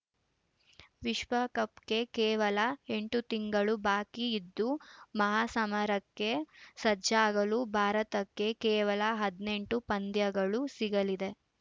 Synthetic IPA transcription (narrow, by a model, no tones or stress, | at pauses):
ʋiʃʋɐkɐpke̞kɛːʋɐlɐe̞ɳʈut̪iŋɡɐɭubaːkiːd̪ːumɐɦaːsɐmɐɾɐkːe̞sɐd͡ʒaːɡɐlubʱaːɾɐt̪ɐkːe̞kɛːʋɐlɐɦɐd̪ne̞ɳʈupɐnd̪jɐɡɐɭusiɡɐlid̪e̞